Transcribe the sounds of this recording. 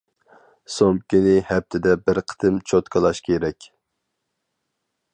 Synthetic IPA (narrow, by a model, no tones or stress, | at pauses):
somkʲinɪhɛp̚t̪ʰɪd̪ɛbɪɾqʰə̥t̪ʰɨmt͡ʃʰot̪kʰɑlˠɑʃkʲʰeɾɛkʲ